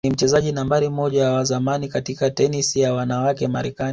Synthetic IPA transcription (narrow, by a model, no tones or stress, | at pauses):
nim̩t͡ʃɛzaʄinambaɾimɔʄawazamanikatikatɛnisijawanawakɛma̰ɾɛkan